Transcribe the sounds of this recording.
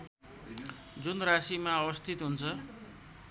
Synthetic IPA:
d͡zunrasimaʌβʌst̪ʰit̪ɦunt͡sʰʌ

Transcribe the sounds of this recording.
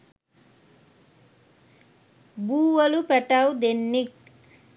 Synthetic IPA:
buːwɐlupɛʈawd̪enːik̚

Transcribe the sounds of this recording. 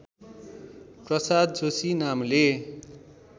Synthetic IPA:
prʌsad̪̚d͡zosinamle

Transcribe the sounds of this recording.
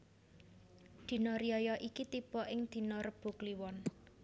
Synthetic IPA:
d̪̥i̤nɔɾijɔjɔʔikit̪ib̥ɔʔɪŋd̪̥i̤nɔrəb̥ṳkliwɔn

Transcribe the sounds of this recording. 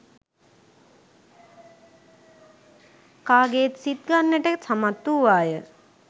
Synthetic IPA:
kaːɡet̪sit̪̚ɡanːeʈesamat̪ːuʋaːjə

